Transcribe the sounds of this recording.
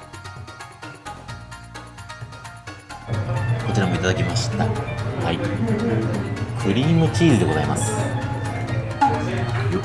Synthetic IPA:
ko̞t͡ɕiɾamo̞it̪ad̪akʲimaɕi̥t̪ahai | kʰɯ̟ɾʲiːmɯ̟kʲiːɾɯd̪e̞ɡo̞zaima̰sɨ̥ | jo

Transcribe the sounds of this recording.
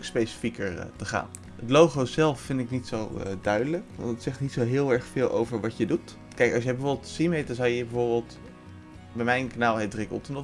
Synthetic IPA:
kspejsə̥fikəɹtəχa̰ːn | ɦətlowχozɛlˠfːɪndɪknitsowdœɥdələkʋɑ̰nətsɛχtnitsowɦɪːlˠɛɹχfɪːlˠʔo̰wvəɹʋɑtjədut | kɛjkɑsjɛjbəvoɹbɪltsimejtɑzɑwjəbəvoɹbɪːlˠt | bɛjmɛjnknaːlˠɦejdrɪkə̰lˠtənɔ

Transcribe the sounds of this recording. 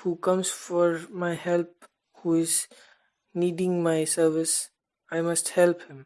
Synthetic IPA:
huːkʌ̃mzfɔɾmaɪhɛlp̚ | huːɪz | niːɖɪ̃ŋmaɪsəɾʋɪs | aɪmʌsʈhɛlphɪ̃m

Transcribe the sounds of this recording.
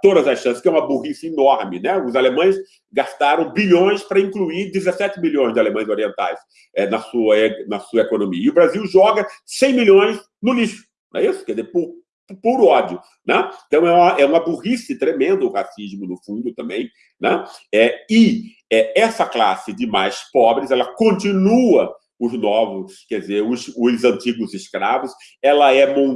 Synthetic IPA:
t̪od̪ɐzɐsʃɐ̃sɪ̥skɪɛũmɐbuhisɐinɔɾmɪnɛʊzalemɐ̃j̃s | ɡast̪aɾɐ̃w̃biʎõj̃spɾɐĩkluiɾd͡ʒɪzesɛt͡ʃɪmiʎõj̃zd͡ʒɪalemɐ̃j̃zoɾiẽnt̪a̰js | ɛnɐsuɐɛnɐsuɐekonõmḭɐiʊbɾaziwʒɔɡɐsẽj̃milʲõj̃s | nʊliʃʊ̥ | nɛ̰isʊ̥kɛɾdzeɾpʊɾ | ppuɾʊɔd͡ʒjʊ | nɛẽt̪ɐ̃w̃ɛũmɐʔɛũmɐbuʁisɐɪt̪ɾemẽnd̪ʊhasizmʊnʊfũnd̪ʊt̪ɐ̃mbẽj̃ | nɛ̃ɛɪ | ɛɛsɐklasɪd͡ʒɪmajspɔbɾɪzɛlɐkõnt̪ĩnuɐ | ʊznɔvʊskɛd͡ʒɪzeɾʊsʊzɐ̃nt̪iɡʊzɪskɾavʊs | ɛlɐɛmõ

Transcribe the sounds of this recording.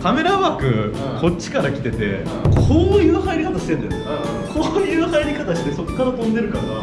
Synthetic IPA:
k̪ame̞ɾaβakɯ̟ | kʰo̞t͡ɕt͡ɕːi̥kaɾakʲi̥t̪e̞t̪e̞̰ | kʰoːnojɯakaeɾʲikat̪aɕi̥t̪ẽ̞nd̪eso | kʰoːɲiɯakaeɾʲikat̪aɕi̥t̪e̞so̞kokːaɾat̪õ̞nd̪e̞ɾɯ̟kaɾa

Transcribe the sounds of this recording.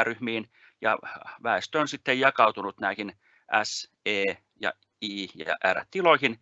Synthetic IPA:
ryhmiːn | jɑ̰ʋæest̪øonsit̪ːejjɑkɑut̪unut̪næihin | ʔæs | eː | jɑ̰ | iːjɑ̰ʔæ̰ræ̰t̪tiloihin

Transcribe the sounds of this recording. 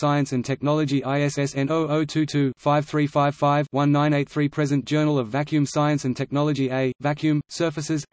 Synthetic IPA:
saɪɨ̃nsɨ̃ntʰɛk̚nɑlˠəd͡ʒiʔaɪɛsɛsɛ̃nəʊəʊtʰʉːtʰʉfaɪv̥θɹiːfaɪv̥faɪvwʌ̃nːãɪ̃ñeɪt̪̚θɹiːpʰɹ̥ɛzɨ̃nd̥ʒ̥ɜːnəl̩ˠəvækʰjʉ̃msaɪɨ̃nsɨ̃ntʰɛk̚nɑlˠəd͡ʒieɪvækʰjʉ̃msɜˑ˞fɨsɪz̥

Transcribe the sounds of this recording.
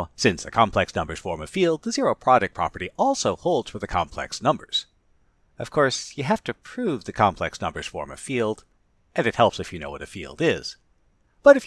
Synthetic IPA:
sɪ̃nsðɨkʰɑ̃mpʰl̥ɛksnʌ̃mbə˞z̥fɔɹmɨ̥filˠd̪̚ðɨzɪɹoʊpʰɹ̥ɑɾɨk̚pʰɹ̥ɑ̰pə˞ɾiʔɔlˠsoʊhoʊlˠdz̥fə˞ðɨkʰɑ̰̃mpʰl̥ɛ̰ksnʌ̃mbə̰˞z̥ | ʌv̥kʰɔɹsjɨɦæftɨpʰɹ̥ʉvðɨkʰɑ̃mpʰl̥ɛksnʌ̃mbə˞z̥fɔ̰ɹmɨ̰̥filˠd | ʔɨ̃nɨt̚hɛlˠpsɨfjɨnoʊwʌɾɨfḭlˠdɪz̥ | b̥ʌɾɨf

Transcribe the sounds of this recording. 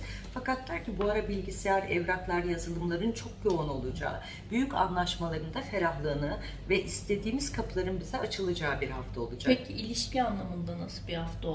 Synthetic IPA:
fakat̪̚d̪æɾcibuaɾabilʲɟisejæɾɛvɾaklˠaɾjazɯlˠɯmlˠaɾɯnt͡ʃʰo̞k̚jo̞ono̞lˠud͡ʒa̰ː | byjyca̰nlˠaʃmalˠaɾɯnd̪afe̞ɾʲaɦlˠɯːnɯ | vɛʔist̪ʰe̞d̪iːmiz̥kʰaplˠaɾɯnbizɛʔat͡ʃʰɯlˠad͡ʒaːbiɾhaft̪ʰao̞lˠud͡ʒaekkʰiilʲiʃcianlˠamɯnd̪anasɯbiɾhaft̪ʰao

